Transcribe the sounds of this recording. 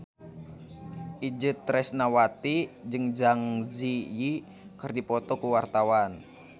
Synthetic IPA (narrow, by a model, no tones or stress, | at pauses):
ʔid͡ʒɨt̪ːɾɛsnawat̪id͡ʒɨŋd͡ʒaŋziji | kɨrdipɔt̪ɔkuwart̪awan